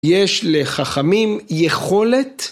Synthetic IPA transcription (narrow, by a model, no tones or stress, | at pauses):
jeʃleχaχamimjeχo̞le̞t̪